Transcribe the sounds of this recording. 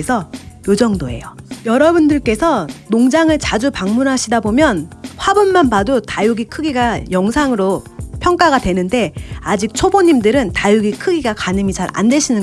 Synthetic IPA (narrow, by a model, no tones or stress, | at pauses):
sʰʌjod͡ʑʌŋdoe̞̰jojʌɾʌbundɯɭk͈e̞sʰʌnoŋd͡ʑaŋɯɭt͡ɕad͡ʑupaŋmunɦaɕʰidabomjʌnɸwabunmanbadutajuɡikʰɯɡiɡajʌŋsʰaŋɯɾopʰjʌŋk͈aɡadwe̞nɯnde̞ad͡ʑik̚t͡ɕʰoboɲimdɯɾɯntajuɡikʰɯɡiɡakanɯmit͡ɕaɾa̰ndwe̞ɕʰinɯn